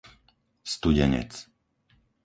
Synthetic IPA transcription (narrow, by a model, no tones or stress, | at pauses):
st̪uɟɛɲɛ̰t͡s